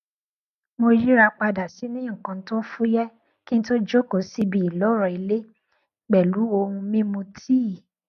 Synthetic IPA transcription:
mo˧ɾi˦ɾa˧k͡pa˧da˨si˨˦nĩ˦˨kã˧n̩˦tõ˦fu˦jɛ˦ | ki˦n̩ĩ˦to˦d͡ʒo˦ko˨˦si˦bi˧i˨lɔ˨˦ɾɔ˨i˧le˦ | ɡ͡bɛ˨lu˨˦o˧hũ˧mĩ˦mũ˧tʰi˦˨

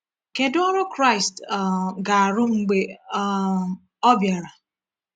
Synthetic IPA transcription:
ke˨dʊ˦ɔ˦ɾʊ˦kɾa˦˨ɪ˨stɡa˨a˨ɾʊ˦ŋ͡m̩˦ɡ͡be˦ | ɔ˦bja˨ɾa˨

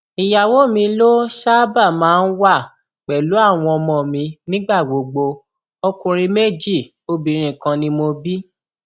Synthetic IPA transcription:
i˨ja˨wo˨˦mĩ˧lo˦ʃa˦ba˦˨mãː˨˦n̩˦wa˦˨ | k͡pɛ˨lu˨˦a˦˨w̃ɔ̃˧ɔ˧mɔ̃˨mĩ˧nĩ˦ɡ͡ba˦˨ɡ͡bo˨ɡ͡bo˧ | ɔ˧kũ˧ɾ̃ĩ˧me˦d͡ʒi˦˨ | o˧bĩ˨˦ɾ̃ĩ˨kã˧nĩ˧˦mo˧bi˦

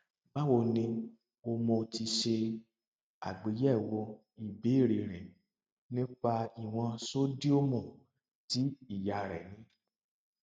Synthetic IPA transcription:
ba˦wo˧nĩ˧ | o˧mɔ̃˧ti˧ʃe˧ | a̰˨ɡ͡be˨˦jɛ˦˨wo˧ | i˨be˨˦˨ɾe˨ɾ̃ɛ̃˨ | nĩ˦k͡pa˧i˨w̃ɔ̃˧so˦di˦o˦mɔ̃˦˨ | ti˨˦i˦˨ja˨ɾɛ̰˨nĩ˨˦

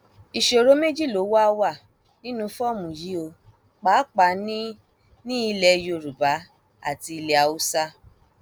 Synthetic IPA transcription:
i˨ʃo˨ɾo˨˦me˦d͡ʒi˦˨lo˨˦wa˦˧wa˦˨ | nĩ˦nũ˧fɔ˦˨mũ˨ji˨˦o˧ | k͡pa˨˦k͡pa˨˧˦nĩ˦ | nĩ˦i˧lɛ˧jo˧˨ɾu˨ba˨˦ | a̰˦˨ti˧i˧le˧a˧u˦sa˦

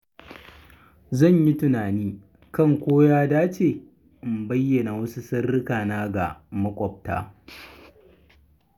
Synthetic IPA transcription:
zɐ˦˨ɲji˦tʊ˨naː˨niː˦ | kɐ˦˨ŋkʷoː˦jaː˦daː˦t͡ʃeː˨ | ɪ˨mbɐ˦jːɐ˨na˨wɐ˦su˦sɐ˦rːɪ˦kaː˨naː˦ɡa̰˨mɐ˦kʷʼɔ˨p̚ta̰ː˦

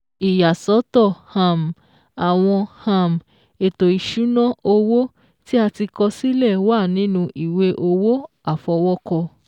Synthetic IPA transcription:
i˨ja˨sɔ˨˦tɔ˦˨hã˧˨m˨ | a˨w̃ɔ̃˧hã˧˨m˨ | e˨to˨i˨ʃu˨˦nɔ̃˦o˧wo˦ | ti˦a˧ti˧kɔ˧si˦lɛ˦˨wa˦˨nĩ˨˦nũ˧ʔi˨we˧ʔo˧wo˦ | a˦˨fɔ˧wɔ˦kɔ˧

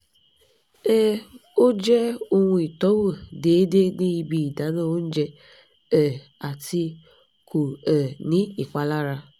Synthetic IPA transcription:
e˦o˦d͡ʒe˦o˦ŋʷ˨˦i˨tɔ˦wo˨de˨˦de˦ni˦˨bi˨da˨˦no˦n̩˦d͡ʒe˦ | ɛ˨ | a˨ti˦ | ku˨ɛ˨ni˦i˨kʷa˦la˦ɾa˦

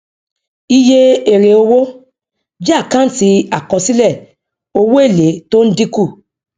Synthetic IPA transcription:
i˦je˦e˨ɾe˨o˧wo˦ | d͡ʒi˦a˦˨kã˦n̩˦ti˧a˨kɔ˨˧si˦lɛ˦˨ | o˧wo˦e˦˨le˨˦to˦n̩˦di˦ku˦˨

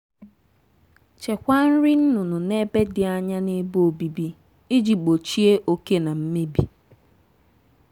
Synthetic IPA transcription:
t͡ʃe˨kʷa˦n̩˦ɾi˦n̩˦nʊ˨nʊ˨ne˦be˦dɪ˨a˨ɲa˦ne˦bo˨bi˨bi˦ | i˦d͡ʒi˨ɡ͡bo˨t͡ʃi˦e˦ʔo˦ke˦na˨m̩˦me˦bi˨

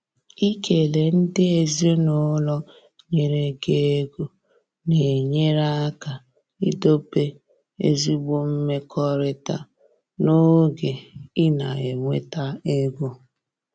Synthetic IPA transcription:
i˦ke˨le˨n̩˦dɪ˦e˨zi˦o˦no˦lɔ˦ | ɲe˨ɾe˨ɡe˦e˦ɡo˦ | ne˨ɲe˦ɾa˦ka˨ | i˦do˦pe˦ | ḛ˦zi˦ɡ͡bo˦m̩˦me˦kʰɔ˦ɾɪ˨ta̰˦ | no˦ɡe˨ɪ˦na˨e˨ŋʷe˦ta˦e˦ɡʷo˦

